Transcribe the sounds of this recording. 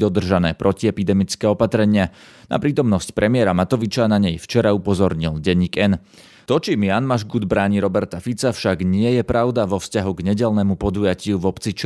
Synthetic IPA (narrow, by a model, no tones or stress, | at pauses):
ɔd̪r̩ʒanɛːpɾʔɔciɛpid̪ɛmit͡skɛːɔpat̪ɾɛɲɪa | na̰pɾiːt̪ɔmnɔscpɾʔɛmɪɛɾamat̪ɔʋit͡ʃanaɲɛjft͡ʃɛɾaupɔzɔɾɲilɟɛɲːiɡɛn | t̪ɔt͡ʃimjanmaʒɡud̪bɾaːɲiɾɔbɛɾt̪afit͡safʃaɡɲɪɛjɛpɾʔaʊd̪aʋɔfscaɦuɡɲɛɟɛlnɛmupɔd̪ujacɪuvɔpt͡sit͡ʃ